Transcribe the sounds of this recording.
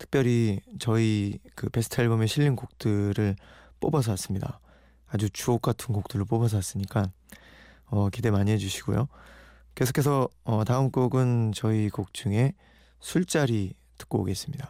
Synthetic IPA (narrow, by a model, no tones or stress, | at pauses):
tʰɯ̥k̚p͈jʌɾit͡ɕʌikɯpe̞sʰɯ̥tʰaɭbomeɕʰiʎːinkok̚t͈ɯɾɯɭ | p͈obʌsʰas͈ɯmɲida̰ | ad͡ʑut͡ɕuok͈atʰɯnkok̚t͈ɯɾɯɭp͈obʌs̬ʰas͈ɯɲik͈an | ʌkide̞maɲiɦe̞d͡ʑuɕʰi̥ɡ̥ṵjo | ke̞sʰo̥kʰe̞sʰʌʌtaɯmk͈oɡɯnt͡ɕʌikok̚t͡ɕ͈uŋe̞ | sʰuɭt͡ɕ͈aɾi | tɯ̥k͈oo̰ɡe̞s͈ɯ̥mɲida